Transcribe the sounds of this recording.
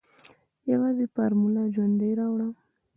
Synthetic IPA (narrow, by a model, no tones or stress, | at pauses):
jawɑzepaɾmulad͡ʒwand̪ajɾɑwɽa